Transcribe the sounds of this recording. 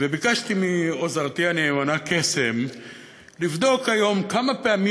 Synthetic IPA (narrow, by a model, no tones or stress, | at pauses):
vebikaʃt̪imio̞zaʁt̪ianeemanakesem | livd̪o̞khajo̞mkamapeami